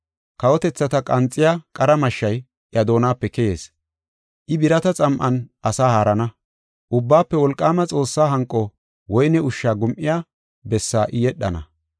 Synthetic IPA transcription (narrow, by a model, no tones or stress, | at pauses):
kɐwɔt̪ɛt͡sːɐt̪ɐkʼɐnt͡sʼːɪjaːkʼɐɾɐmɐʃːɐj | ʔjɐd̪o̞ːnaːpːɛkɛjeːs | ʔɪbɪɾɐt̪ɐt͡sʼɐmʔɐnʔɐsaːhaːɾɐnɐ | ʔʊbːaːpːɛwɔlkʼːaːmɐt͡sʼo̞ːsːaːɦɐŋkʼːɔ | wɔjnɛʊʃːaːɡʊmʔɪjaː | bɛsːaːʔɪjɛɗːɐ̰nɐ̰